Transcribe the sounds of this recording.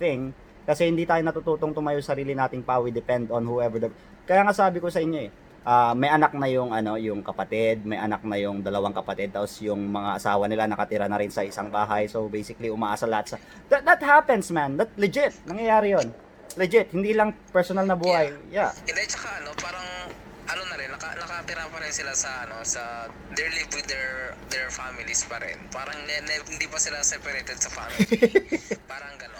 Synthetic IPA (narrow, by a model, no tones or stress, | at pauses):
θɪŋ | kɐsɛhɪnd̪iːt̪aːjonɐt̪ut̪uːt̪oŋt̪omɐjʊŋsɐɾiːlɪnaːt̪ɪŋpawid̪ɛpɛnd̪onhuʔɛvəɹd̪ | kɐjaːŋasaːbɪkosɐʔɪɲːo̞ɛ | ʔaːmɐjʔɐnak̚nɐjʊŋʔɐno̞jʊŋkɐpɐt̪ɪd̪̚mɐjʔɐnak̚nɐjʊŋd̪ɐlɐwaŋkɐpɐt̪ɛd̪̚aːposjʊŋmɐŋaʔɐsaːwɐnɪlanɐkɐt̪ɪɾanɐɾɪnsɐʔɪsaŋbaːɦɐjsobejsɪkɐliʊmaːʔaːsɐlɐhat̪sɐ | d̪ɐd̪ɐt̪̚hapɛnsmand̪ɐt̪̚lɛd͡ʒɪt̪̚nɐŋjɐjaːɾɪjon | lɛd͡ʒɪt̪̚hɪnd̪iːlɐŋpɛɹsonɐlnɐbuːhɐjjahɪnd̪ɛt͡ʃɐkaʔɐno̞paːɾɐŋ | ʔɐlonɐɾɪnːɐkɐnɐkɐt̪ɪɾapɐɾɪnsɪlasɐʔɐno̞sɐ | d̪ɛɹlivwɪd̪ɛɹd̪ɛɹfamɪlispɐɾɛ̰npaːɾɐŋɛnɛhɪnd̪ipɐsɪlasɛpɐɾɛt̪ɛd̪̚sɐfam | paːɾɐŋɡɐnon